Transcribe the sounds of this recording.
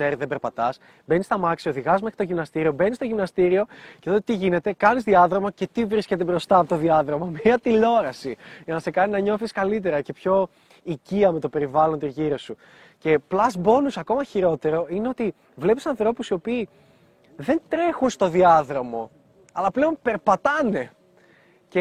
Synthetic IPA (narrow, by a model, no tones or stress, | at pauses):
eɾiðebe̞ɾpɐt̪ɐs | benist̪ɐmɐksioðiɣɐzme̞xɾit̪o̞ʝimnɐst̪iɾio̞be̞nist̪oʝimnɐst̪iɾio̞ceðot̪iʝine̞t̪e̞kɐnizðiɐðɾo̞moce̞t̪ivɾisce̞t̪̬e̞bɾo̞st̪ɐːpot̪o̞ðiɐðɾo̞momiɐt̪ilo̞ɾɐsiʝɐnɐse̞kɐninɐɲo̞θiskɐlit̪̬e̞ɾɐce̞pço̞ | iciɐme̞t̪o̞pe̞ɾivɐlo̞nt̪izʝiɾosu | ce̞plɐzbo̞nusɐko̞mɐçiɾo̞t̪e̞ɾo̞ineo̞t̪i | vle̞pi̥sɐnθɾo̞pusiopiː | ðe̞nt̪ɾe̞xunst̪o̞ðiɐðɾo̞mo̞ | ɐlɐple̞o̞npe̞ɾpɐt̪ɐne̞ | ce